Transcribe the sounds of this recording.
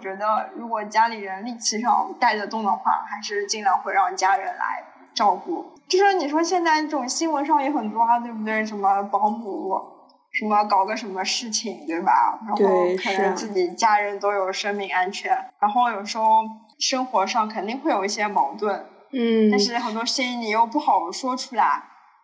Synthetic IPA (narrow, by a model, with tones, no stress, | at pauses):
t͡ɕɥɛ˧˥d̪ə˧ɻu˧˥kwɔ˨˩t͡ɕja˥li˨˩ɻə˧˥nli˥˩t͡ɕʰi˧˥ʂɑ̰˥˩ŋt̪a˥˩ɪd̪ə˩t̪ʊ˥˩ŋd̪ə˧˦xwa̰˥˩xa˧˥ɪʂɻ̩˥˧t͡ɕi˥˩nla˧˥nxwe˥˧ɪɻɑ˥˩ŋt͡ɕja˥ɻə˧˥nla̰˧˥ɪ | ʈ͡ʂɑ˥˧ʊku˥˩t͡ɕʂɔ˥ni˨˩ʂwɔ˥ɕjɛ˥˧nt͡sa˥˧n˥˩ʈ͡ʂʊ˨˩ŋɕi˥ŋwə˧˥nʂɑ˥˩ŋjɛ˧˥xə˨˩nt̪wɔ˥a˧t̪we˥˧bu˧˩t̪we˥˩ɪʂə˧˥mə˧pɑ˧˥ŋmu˧˥ | ʂə˧˥nmə˧kɑ˨˩ʊɡə˧˥ʂə˧˥nmə˧ʂɻ̩˥˩t͡ɕʰi˨˩ŋt̪we˥˩ɪbɐ̰˩ɻa˧˥n˥o˥˧ʊkʰɤ˨˩nə˧˥ŋt͡sɹ̩˥˩t͡ɕi˨˩t͡ɕja˥ɻə˧˥nt̪o˥ʊjo˨˩ʊʂɤ˥ŋmi˧˥ŋa˥nt͡ɕʰɥɛ˧˥nɻa˧˥nxo˥˩ʊjo˨˩ʊʂɻ̩˧˥xo˧˥˧ʊ | ʂɤ˥ŋxwɔ˧˥ʂɑ˥˩ŋkʰə˨˩nt̪i˥˧ŋxwe˥˩ɪjo˨˩ʊi˥˩ɕjɛ˥mɑ˧˥ŋt̪wə˥˩n̩˥˩ | t̪a˥˧nʂɻ̩˥˩xə˨˩nt̪wɔ˥ʂɻ̩˥˩˥i˧˥ni˨˩jo˥˩ʊpu˥˩xɑ˨˩ʊ˦ʂwɔ˥ʈ͡ʂʰu˥la˧˥ɪ